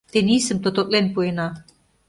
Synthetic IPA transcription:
t̪enʲisə̆mt̪ot̪ot̪̚ʼlenpuenɑ

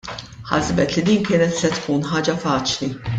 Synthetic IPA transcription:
ħɐ̰zbɛt̪lid̪iːnkɪːnɛt̪sɛt̪kuːnħɐːd͡ʒɐfɐːt͡ʃli

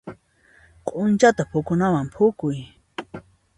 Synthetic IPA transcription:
qʼʊnt͡ʃat̪apʰʊkʊnawampʰʊkʊj

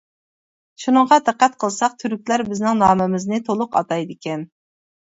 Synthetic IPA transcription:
ʃunəɴŋʁɑd̪æqːæt̪qʰəlˠsɑq̚t̪ʰyɾyk̚ʲlæɾbɪznɪŋnɑːmɪmɪznɪt̪ʰolˠʊqɑ̰t̪ɑjd̪ɪkʲɛn

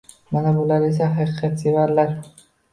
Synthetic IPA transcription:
manabolaɾes̬aɦaqʰɨqʰɑt̪sevaɾlaɾ

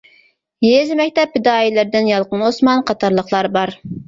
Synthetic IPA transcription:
jezmɛkʲt̪ɛphɪd̪ɑːjilɪɾd̪ɪnjɑlˠqənosmɑnqʰɑt̪ʰɑɾlˠəχlˠɑɾbɑɾ

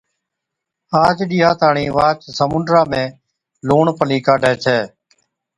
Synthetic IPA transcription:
aːd͡ʒɗiːɦaːt̪aːɳĩːʋaːt͡ʃsəmʊɳɖɾaːmẽː | loːɳpəliːkaːɗeːt͡ʃʰɛː

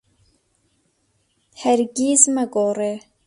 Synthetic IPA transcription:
hæɾɡiːzmɐɡoːre

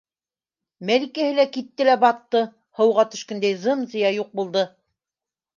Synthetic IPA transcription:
mælikæhɘ̆lækit̪ːɘlæbɑt̪ːɤ | hɤ̆wʁɑt̪ɵ̆ʃkɘ̆nd̪æjzɤmzɤ̆jɑjuq̚bulˠd̪ɤ

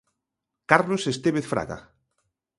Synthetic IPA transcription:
kaɾlosest̪eβeθfɾa̰ɣa̰

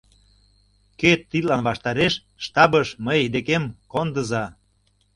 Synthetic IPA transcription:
ket̪ːilɑnβɑʃt̪ɑɾeʃ | ʃt̪ɑbəʃməjd̪ekemkond̪əzɑ

